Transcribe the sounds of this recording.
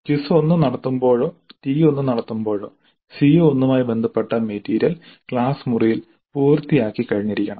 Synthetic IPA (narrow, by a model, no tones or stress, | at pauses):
kisuonːɨnɐɽɐt̪ːumbo̞ːɻo̞ːtiːjo̞nːɨnɐɽɐt̪ːumbo̞ːɻo̞ː | sijoonːumaːjbe̞nd̪ʱɐpːeʈːɐmeːtːiːɾjɐlkɭaːsmurijil | puːrt̪ijaːkːikɐɻiɲːɐɾikʲːɐɳɐm